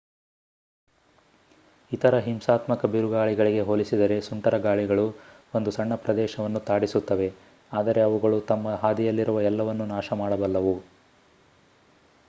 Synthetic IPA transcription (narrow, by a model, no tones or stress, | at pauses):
it̪ɐɾɐɦimsaːt̪mɐkɐbiɾuɡaːɭiɡɐɭiɡe̞ɦoːlisid̪ɐɾe̞suɳʈɐɾɐɡaːɭiɡɐɭu | o̞nd̪usɐɳːɐpɾɐd̪ɛːʃɐʋɐnːut̪aːɽisut̪ːɐʋe̞ | aːd̪ɐɾe̞ɐʋuɡɐɭut̪ɐmːɐɦaːd̪ijɐlːiɾuʋɐɛlːɐʋɐnːunaːʃɐmaːɽɐbɐlːɐʋu